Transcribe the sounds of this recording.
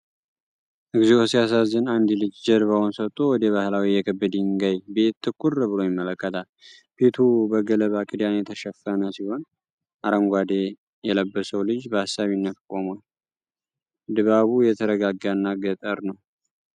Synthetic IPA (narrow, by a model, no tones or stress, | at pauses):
ʔɨɡziosijasazːɨnand̪ilɨd͡ʒd͡ʒəɾβawunsət̪ʼːowɔd̪əβahlawijɛkʰəbːɨd̪iŋɡajbe̞t̪ʰːɨkʼːurbɨlo̞jɪmːələkːət̪ʰal | bʰet̪ʰubəɡələβakʼid̪anjɛt̪ʰəʃɛfːənəsiho̞n | ʔaɾəmɡʷad̪e | jɛləbːəsəwlɨd͡ʒbəhasːaβinːət̪kʼomal | d̪ɨβaβujɛt̪ʰəɾəɡaɡaɨnːaɡət̪ʼəɾnəw